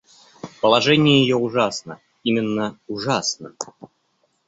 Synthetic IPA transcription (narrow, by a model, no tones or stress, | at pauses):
pəlˠɐʐɛnʲɪjəjɪjoʊʐasnə | imʲɪnːəʊʐasnə